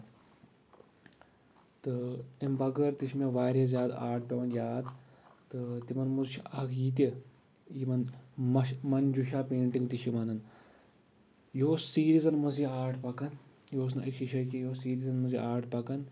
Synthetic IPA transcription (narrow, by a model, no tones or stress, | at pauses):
t̪ɨimbɐɡɐɾt̪iʃmʲeʋaːɾʲezʲjaːd̪a̰ːʈ̚ʰɖɐːnjaːd̪ | t̪ɨt̪imɐnmuzʃʰiɐkʰjiːt̪̬i | jimɐnmɐmɐnd͡ʒuʃaːpeːɳʈiŋɡt̪iʃimɐnɐn | joːsːiːɾizɐnmɐziaːɾʈʰpɐkɐn | joːs̬nɐ̰ʔikʃiʃɐkijoːsiːɾizɐnmɐziaːɾʈpɐkɐn